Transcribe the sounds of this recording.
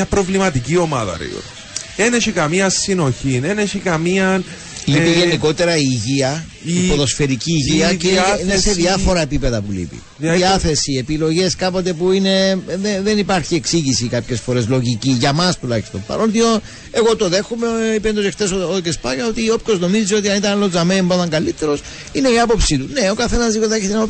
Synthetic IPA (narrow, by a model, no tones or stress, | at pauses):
ɐpɾo̞vlimɐt̪icio̞mɐ̰ðɐ̰ɾḭo̰ | eneçikɐmiɐsino̞çineneçikɐmiɐn | lipiʝe̞niko̞t̪e̞ɾɐiːʝiɐ | ipoðo̞sfeɾiciːʝiɐciineseðiɐfo̞ɾɐepipe̞ðɐpulḭpḭ | ððiɐθe̞siepilo̞ʝe̞skɐpo̞t̪̬e̞puine̞ðeðe̞nipɐɾçieksiʝisikɐpçe̞sfoɾe̞zlo̞ʝiciʝɐmɐst̪ulɐçist̪o̞mpɐ̰ɾolt̪ion | e̞ɣo̞t̪o̞ðe̞xumeipend̪osext̪e̞socespɐɣɐo̞t̪iop̚ko̞zno̞miziot̪iɐnit̪ɐnlozɐmeimbɐt̪ɐŋɡɐlit̪ːe̞ɾo̞s | ine̞iɐpo̞psit̪une̞o̞kɐθe̞nɐzðioðɐeçet̪enɐo